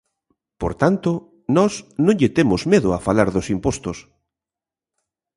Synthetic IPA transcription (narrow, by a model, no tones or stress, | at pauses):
poɾt̪ant̪ʊ | nɔsnõŋʎɪt̪emʊzmeðʊafalaɾðʊsimpost̪ʊs